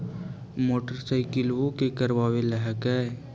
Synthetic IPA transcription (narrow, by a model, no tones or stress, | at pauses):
moːʈəɾsaɪkɪlʋõkekəɾʋaːweləɦəkɛ